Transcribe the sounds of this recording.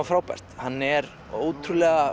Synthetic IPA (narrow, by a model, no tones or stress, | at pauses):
fɾaːwpa̰jr̥t̪hanːɛɾ | o̰ːwt̪ʰɾʏlɛɣa